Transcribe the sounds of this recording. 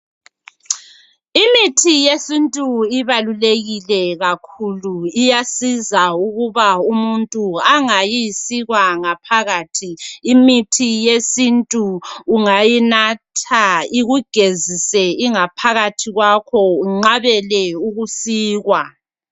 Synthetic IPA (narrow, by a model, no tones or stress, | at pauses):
imitʰijesintʼuiβaluleɣilɛɣakʰuluijasizauɣuβaumuntʼuaŋajisiɣwaŋapʰaɣaːtʰiːmitʰijesintʼuːŋajinatʰaiɣuɡ̥ʱezisɛiŋapʰaɣatʰiɣwakʰɔuŋ͡ǁaβɛlɛuɣusiːɣwa